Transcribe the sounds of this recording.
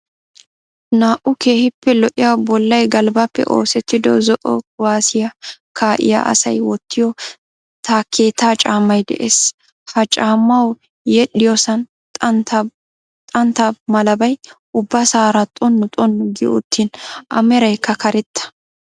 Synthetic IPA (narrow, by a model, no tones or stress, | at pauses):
naːʔʊke̞ːhɪpːɛlɔʔɪjabɔlːɐjɡɐlbɐpːɛ̰ʔo̞ːsɛt̪ːɪd̪ɔzɔʔɔ̰ʊwaːsɪjɐkʰaːʔɪ̰jɐ̰ʔɐ̰sɐ̰jwɔt̪ːɪjɔ | t̪akʰːeːt̪aːt͡ʃʼaːmːɐjd̪ɛ̰ʔeːs | fɐt͡ʃʼaːmːɐw | jɛɗɪjɔsɐnʼ | t̪ʼɐnt̪ɐmɐlɐbɐjʔʊbːɐsaːɾɐt̪ʼɔnːɔt̪ʼɔnːʊɡɪʊ̰t̪ːiːnʔɐ̰mɛɾɐjkːɐkɐɾɛt̪ːɐ̥